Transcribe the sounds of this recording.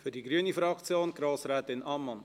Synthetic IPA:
fyɾdiɡɾyənifɾɑkt͡sjoːnɡ̥ɾoːsɾɛːt̪ɪnɑmːɑn

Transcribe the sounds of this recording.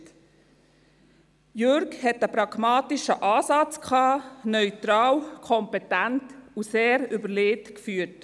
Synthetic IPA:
jøɾkhɛtəpɾɑɡmɑːtɪʃəʔɑːsɑt͡skʰχɑːnœʏt̪ɾɑːwkʰɔmpɛtæntuseːɾybəɾleːtkfyːt

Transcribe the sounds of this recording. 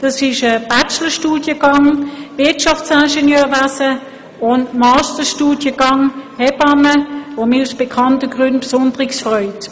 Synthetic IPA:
d̥ɑsɪʃəb̥at͡ʃləʃtuːd̥jəɡɑŋʋɪɐtʃɑfsænʃenjøːʋasə | ʊntmɑːstəʃtuːdjəɡ̥ɑŋhɛbɑməʋomiusb̥ekʰɑntəɡʁʏntb̥sʊndəʁɪksfʁɔʏt

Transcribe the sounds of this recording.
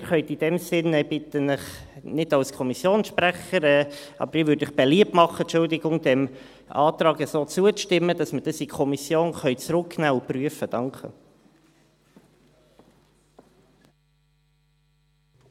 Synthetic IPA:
ɾχœʏtid̥ɛmsɪnɛbɪt̪ənəχnɪd̥ɑlskʰɔmisjoːnsʃpɾæχəɾɛːɑ̰bəɾɪʋøːɾdɪχb̥eliəp̚tmɑχːətt͡ʃʊldɪɡʊŋd̥ɛm | ʔɑːt̪ɾɑːɡəsoːt͡suəʃtɪmːəd̥ɑsməd̥ɑsikʰɔmisjoːnχœʏt͡sɾʊkːnæːupryəfəd̥ɑŋkχə̰

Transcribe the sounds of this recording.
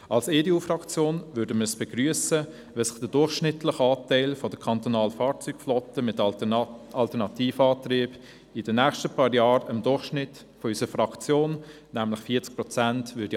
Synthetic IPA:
ɑlseːdeuːfrɑkt͡sjoːnvʏdəməsb̥ɛɡryəsə | ʋɛsɪχd̥ədʊrχʃnɪtʰlɪχɑːtæɪlfɔd̥əkʰɑnt̪ɔnɑːlfɑːɾt͡syːkflɔtəmɪt | ɑltənɑtʰiːfəɑːtriːb | ɪd̥ənɛːχʃtəpʰɑːɾjɑːɾəmdʊɹχʃnɪt | fɔysəəfrɑkt͡sjoːn | næmlɪχfiːt͡sk̚pɾ̥ɔt͡sæntvʏdi

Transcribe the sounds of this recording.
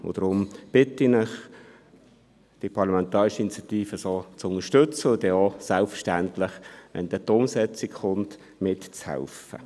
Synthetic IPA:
ʊ̰d̥ɾʊmb̥ɪtinɪχ | d̥ipʰɑʁlamɛnt̪ɑːʁɪʃəinit͡sjɑt̪iːfəsoːt͡sʊnəʃtɵt͡səʊd̪ɛɔsælpfəʃtæntlɪχʋɛ̰nd̥̪ɛt̪ːʊmsɛt͡sɪkχʊnt | mɪtt͡shɛ̰lfə̰

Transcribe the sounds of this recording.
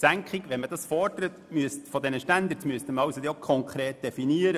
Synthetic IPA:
sæŋkχiɡʋɛnməd̥ɑsfɔrdəɾətmyəstfɔd̪ɛnəʃtænd̪əɾtmyəst̪əməɾɑwsod̪okʰɔŋkʰɾeːt̚d̥ɛfiniːəɾə

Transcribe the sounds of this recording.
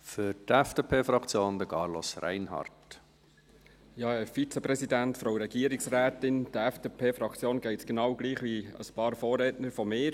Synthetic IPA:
fyɾdɛfd̥epʰeːfɾɑkt͡sjoːnd̪əkɑːɾlɔ̰sræ̰ɪnhɑ̰ɾt | jɑːɛfit͡səpɾɛsidæntfɾoʊɾɛɡiːəɾɪksræːtɪnd̥əɛfd̥epʰeːfɾɑkʰt͡sjoːnɡ̥ɛɪtsɡ̥enɑwɡliːχʋiə̰spɑːɾfoːɾɛːtnəɾfɔmɪːɾ

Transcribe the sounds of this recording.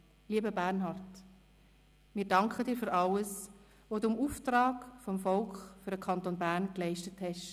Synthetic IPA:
liəbəbæɾnɦɑrt | mɪːɾdɑŋkʰχədiːɾfyɾʔɑləs | ʋodumuːftrɑːkfɔmfɔlkχfyɾdəkʰχɑnt̪oːnbæːɾnklɛɪʃtəthɛʃ

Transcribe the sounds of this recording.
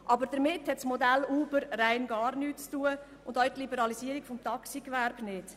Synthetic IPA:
ʔɑbəɾd̥əɾmɪthɛtsmɔdæluːbəɾɾæɪnɡɑːɾnyːtt͡stuːə | ʊndœɥt̪libəɾɑlisiəɾiɡfɔmt̪ɑksikʋæɾb̥nɪd̥

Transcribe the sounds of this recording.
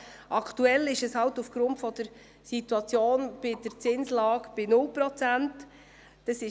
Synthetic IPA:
ʔɑkʰtuɛlɪʃɛshɑltufɡ̥ɾʊntfɔd̥əɾ | sitwɑt͡sjoːnb̥ɪd̥əɾt͡sɪnslɑːɡb̥ɪnʊlpɾɔt͡sænt | d̥əsɪ

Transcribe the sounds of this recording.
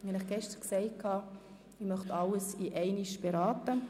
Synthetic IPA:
hɑnɪχɡ̥ɛʃtəʁksɛɪt̚kʰːɑː | ɪmœχtɑləsiʔɛɪniʃb̥ɛɾɑːtə

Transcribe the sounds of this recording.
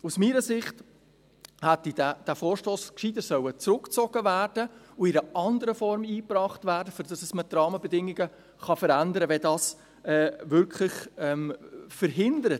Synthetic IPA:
usmiːɾəsɪχt | hæt̪ːidæd̥æfoːɾʃtoːskʃiːd̥əsœwət͡sɾʊkt͡sɔɡ̥əvæːrd̥ə | ʊɪɾəʔɑndəɾəfɔɾmiːprɑːχtvæːɾdəfyɾdɑsəsmətɾɑːməbɛdɪŋːɪɡə | χɑfəɾændəɾəvɛdɑːs | ɛːvʏɾkʰχlɪχɛmfəɾɦɪndəɾət

